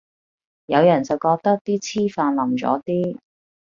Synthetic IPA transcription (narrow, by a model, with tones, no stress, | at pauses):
jɐ˨˧wjɐ˨˩nt͡sɐ˨˩wkɔː˧k̚t̪ɐ˥k̚t̪iː˥t͡sʰiː˥faː˧nlɐ˨mt͡sɔ̰ː˨˥t̪iː˥